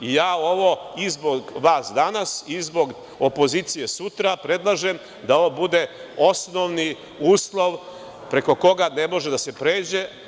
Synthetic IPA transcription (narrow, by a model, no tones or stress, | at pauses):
ijaːo̞ʋo̞izboɡʋaːsd̪anasizbo̞ɡ | opo̞ziːt̪sije̞sut̪ɾapɾe̞d̪lˠaʒem | d̪ao̞ʋobud̪e̞o̞sno̞ʋni | uːslˠo̞ʋ | pɾe̞ko̞ko̞ɡane̞mo̞ʒe̞d̪ase̞pɾe̞ːd͡ʑe̞